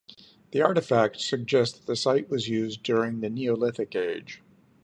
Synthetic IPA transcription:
ðiɑɹɾɨfæk̚tsɨɡ̚d͡ʒɛstððɨsaɪʔ̚wʌzjʉzdʊɹɪ̃ŋðɨnioʊlɪθɨkeɪd̥ʒ̥

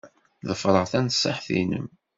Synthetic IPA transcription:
ðəfɾˤəʁθænsˤːɑħθḭnə̰m

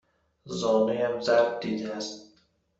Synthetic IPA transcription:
zɒːnejæmzæɾb̚d̪iːd̪eæst̪

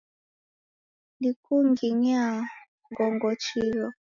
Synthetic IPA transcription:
lnikuŋɡiɲa | ɡɔŋɡɔt͡ʃilɔ

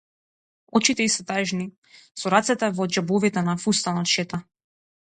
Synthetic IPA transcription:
ɔt͡ʃit̪ɛisɛt̪aʒni | sɔɾat̪sɛt̪ɛvɔd͡ʒɛbɔvit̪ɛnafust̪anat̪ʃɛt̪a

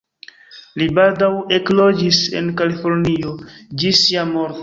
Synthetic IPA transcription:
libaldawe̞klo̞d͡ʒise̞̰nkalifo̞ɾniod͡ʒisiamo̞ɾto

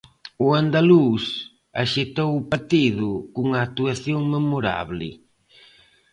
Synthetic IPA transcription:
ʊand̪alus | a̰ʃet̪owʊpaɾt̪iðʊkuŋaːt̪uaθjoŋmemoɾa̰βlɪ̰

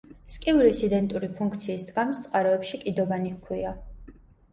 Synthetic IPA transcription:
skʼiuɾisid̪ɛnt̪ʼuɾipʰuŋkʰt̪sʰiːsd̪ɡamst̪sʼqʼaɾɔɛpʃikʼid̪ɔbanikʰwia

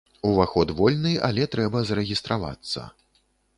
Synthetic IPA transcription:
uvaxɔd̪vɔlʲnɨja̰lʲɛt̪ɾɛbɐzɐɾɛɣʲist̪ɾava̰t̪sːɐ̰

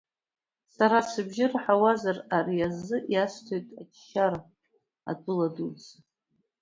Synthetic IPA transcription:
saɾasɨbʒɪrħawazararijazɨjastʰojtʼat͡ʃʃaɾa | a̰tʰʼʊladut͡sa

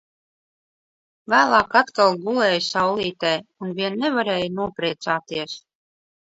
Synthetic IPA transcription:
væːlˠɑːkat̪kalˠɡulˠɛːjsawlˠiːt̪ɛjunvʲiɛnːɛvaɾɛːjnuɔpɾiːt̪saːt̪iɛs

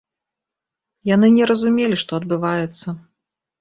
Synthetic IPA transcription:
janɨnʲɛɾɐzumʲelʲiʂt̪ɔɐd̪̚bɨvajɛt̪sːɐ

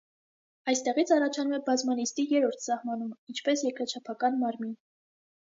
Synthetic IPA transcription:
ɑjst̪ɛʁit͡sʰɑrɑt͡ʃʰɑnumɛbɑzmɑnist̪ijɛɾɔɾt̪ʰsɑhmɑnumint͡ʃʰpɛsjɛkɾɑt͡ʃʰɑpʰɑkɑnmɑɾmin

